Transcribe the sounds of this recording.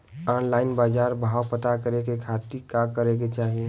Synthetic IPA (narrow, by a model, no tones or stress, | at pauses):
ɔnlaɪnbad͡ʒaɾbʱawpət̪akəɾekekʰat̪ikakəɾek̬et͡ʃaɦie